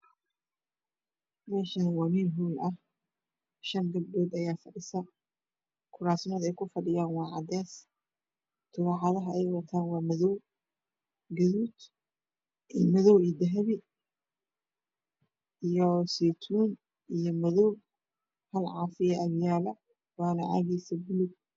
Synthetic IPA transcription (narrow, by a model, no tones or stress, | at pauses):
mɛːʃɐnwɐmiːlɦuːlɐh | ʃɐŋɡɐb̚dɔːd̪ɐjaːfɐɖɪsɐ | kʰʊɾaːsɪnɔːd̪ɛjkʰʊfɐɖɪjaːnwɑːʕɑd̪ɛːs | t̪ʰʊβɑħɑðɐɦɐɛjwɐt̪ʰaːnwɑːmɐðɔw | ɡɐðuːd̪ | ʔimɐðɔwiːd̪ɐɦɐβɪ | ʔijɔsɛt̪ʰuːn | ʔijɔmɐðɔw | hɐlʕɑːfɪjɐʔɐðjaːlɐ | waːnɐʔa̰ːɣɛjsɐbʊlʊɡ̚